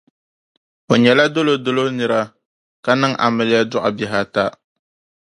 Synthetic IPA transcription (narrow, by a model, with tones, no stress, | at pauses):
o˨ɲɛ˨la˦do˦lo˦do˦lo˦nɨ˨ɾa˦ | ka˨nɨ˦ŋ˦ʔa̰˨mɨ˨lɪ˦ja˦dʊ˦ʔa̰˨bɪ˨ɦa˦ta˦